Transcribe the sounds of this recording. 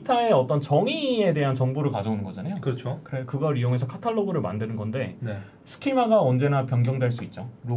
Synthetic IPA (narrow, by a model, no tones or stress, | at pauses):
itʰae̞ʌt͈ʌnt͡ɕʌŋie̞de̞ɦant͡ɕʌŋboɾɯɭkad͡ʑʌunɯnɡʌd͡ʑanajokɯɾʌt͡ɕʰokɯɾekɯɡʌɾijoŋe̞s̬ʰʌkʰatʰaɭːoɡɯɾɯɭma̰ndɯnɯnɡʌnde̞ne | sʰɯ̥kʰimaɡaʌnd͡ʑe̞napjʌŋɡjʌŋdwe̞ɭs͈uit̚t͡ɕ͈oɾo